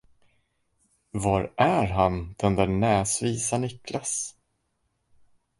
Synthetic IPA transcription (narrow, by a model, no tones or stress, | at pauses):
vaɾʔæɾɦand̪̥ɵnd̪ɛnɛːsviːsanʏklas